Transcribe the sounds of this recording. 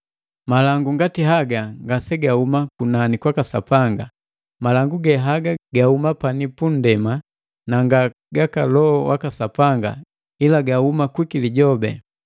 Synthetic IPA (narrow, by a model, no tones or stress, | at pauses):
malaŋɡuŋɡatiɦaɡaŋɡasɛɡahumakunanikwakasapaŋɡa̰ | malaŋɡuɡɛɦaɡaɡahumapanipun̩dɛma | naŋɡa | ɡakalɔɔwʔakasapaŋɡa̰ | ilaɡahumakwikiliɟɔbɛ̰